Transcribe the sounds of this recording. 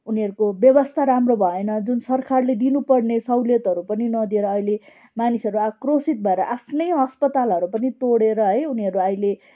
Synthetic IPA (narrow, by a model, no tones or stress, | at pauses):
uniʌɾukobjʌbʌst̪ʰaɾamrobʱʌenʌd͡zunsʌrkʰarled̪inupʌrnesʌwljet̪ʌɾupʌninʌd̪ieɾʌːjle | manisʌɾuakrosit̪̚bʱʌeɾʌʔapʰnʌjɦʌspʌt̪alʌɾupʌnit̪oɽeɾʌɦʌjuniʌɾuʌjle